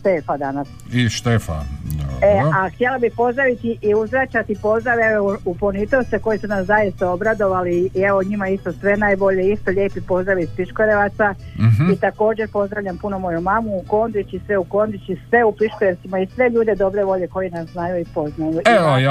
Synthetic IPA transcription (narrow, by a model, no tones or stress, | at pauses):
ʃt̪eːfad̪anas | iʃt̪efa̰a̰eaxt̪jelabipo̞zd̪ɾaʋit̪iʔiuzɾat͡ʃat̪ipo̞zd̪ɾaʋeouponit̪oseko̞jisunaszajist̪ao̞bɾad̪o̞ʋaliɛʋoɲimaist̪o̞sʋe̞najbo̞ʎeist̪oʎe̞ːpipo̞zd̪ɾaʋispiʃkoɾeʋat̪sait̪ako̞ːd͡ʑe̞ɾpo̞zd̪ɾaʋʎʲampuno̞mo̞jumamuːko̞ːnd̪it͡ʃisʋe̞uko̞ːnd̪it͡ʃisʋe̞upiʃkoɾe̞ʋt̪simaisʋe̞ʎuːd̪ed̪o̞bɾe̞ʋo̞ʎe̞ko̞jinasnaːjuipo̞znaju